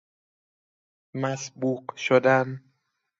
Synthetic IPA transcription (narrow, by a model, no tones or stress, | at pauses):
mæsbuːqʃod̪æn